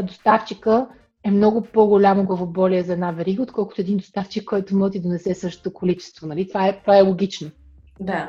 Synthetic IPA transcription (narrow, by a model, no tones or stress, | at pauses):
d̪ost̪aft͡ʃikə | ɛmnɔɡʊpoɡolʲamoɡlˠɐvobɔliɛzɐɛd̪navɛɾiɡəot̪̚kɔlˠkʊt̪oɛd̪ind̪ost̪aft͡ʃikːɔjt̪ʊmɔt̪id̪onɛsɛsɤʃt̪o̥t̪okolit͡ʃɛ̥st̪vonɐlit̪ovaɛt̪vaɛlˠoɡʲit͡ʃno | d̪a